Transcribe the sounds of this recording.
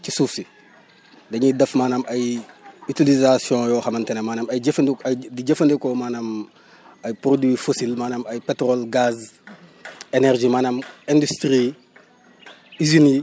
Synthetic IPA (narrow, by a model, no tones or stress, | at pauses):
cisuːfsi | dɐɲidɐfmaːnɐmɐjytilizasjɔ̃jɔːxɐmɐntɛnɐmaːnɐmɐjɟɐfndiɟɐfɐndɛkɔmaːnɐm | ɐjpɾodwifosilmaːnɐmɐjpetɾolɡaz | enerʒimaːnɐmɛ̃ndystɾi | izini